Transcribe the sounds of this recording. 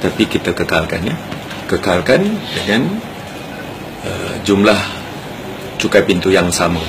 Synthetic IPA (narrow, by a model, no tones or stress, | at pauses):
t̪apikit̪əkəkalka̰nja | kəkalkandəŋan | ə̰d͡ʒumlah | t͡ʃukapint̪ujaŋsamə̃